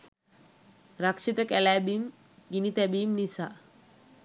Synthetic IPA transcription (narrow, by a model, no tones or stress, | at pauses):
ɾakʂit̪əkɛlɛbim | ɡinit̪ɛbiːmnisa